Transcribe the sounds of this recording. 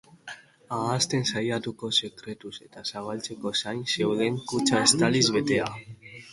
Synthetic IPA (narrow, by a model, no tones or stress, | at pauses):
aːst̪e̞nsajat̪uko̞se̞kɾe̞t̪use̞t̪asaβ̞alt͡se̞ko̞sajnse̞wðe̞ŋkut͡ʃae̞st̪alizβe̞t̪e̞a